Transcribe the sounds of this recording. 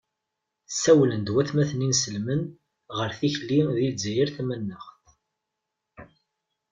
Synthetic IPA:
sæwlənd̪wæθmæθəninsəlmən | ʁəɾθiçlːiðid͡zæjəɾθæmənːəχθ

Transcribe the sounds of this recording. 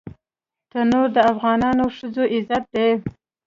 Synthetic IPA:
t̪ənoɾd̪əafɣɑnɑnoʂəzoʔɪzat̪̚d̪e

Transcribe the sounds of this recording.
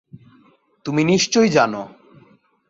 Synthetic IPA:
t̪uminiʃt͡ɕojd͡ʑano

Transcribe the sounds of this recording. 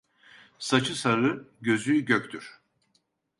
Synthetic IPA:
sat͡ʃʰɯsaɾɯɟø̞zyɟøcʲt̪ʰyɾ̥

